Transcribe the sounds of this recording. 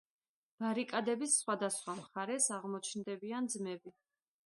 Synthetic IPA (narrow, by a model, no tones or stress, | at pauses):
b̥aɾikʼad̪ɛbisːχwad̪asχwamχaɾɛsaʁmɔt͡ʃʰnd̪ɛbiand̪zmɛbi